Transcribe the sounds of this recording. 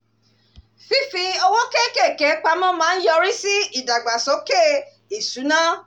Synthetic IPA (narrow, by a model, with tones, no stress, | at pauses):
fi˦˧fi˧ɔ˧wɔ̃˦ke˦˨ke˦˨kɛ˨˦k͡pa˧mã˦mãː˦n̩˦jɔ˧ɾi˦si˦i˦˨da˨ɡ͡ba˨so˨˦ke˦˨ | i˨su˨˦nã˦